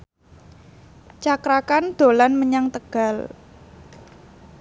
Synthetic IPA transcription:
t͡ʃakɾakand̪̥o̤lanməɲaŋt̪əɡ̥a̤l

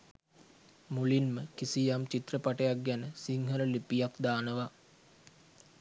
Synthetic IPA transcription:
mulinməkisijamt͡ʃit̪rəpaʈəjak̚ɡænəsiŋɦəɾəlipijakd̪aːnəʋa

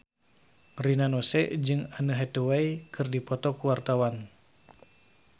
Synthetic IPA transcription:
rinanɔsɛ̰ʔd͡ʒɨŋanəɦɛt̪uwaikʰɨrdipɔt̪ɔkuwart̪awan

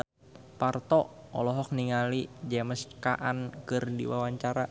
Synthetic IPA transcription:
part̪ɔɔ̰lɔɦɔk̚niŋalid͡ʒɛməskaʔankɨrdḭwawaɲt͡ʃaɾa

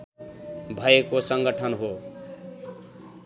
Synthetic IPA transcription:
bʱʌekosʌŋɡʌʈʰʌnɦo

